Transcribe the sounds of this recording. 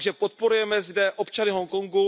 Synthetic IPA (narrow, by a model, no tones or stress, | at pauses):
ɡʒɛpot̪̚po̞ɾujɛmɛzdɛʔʔopt͡ʃanɪɦoŋkoŋɡu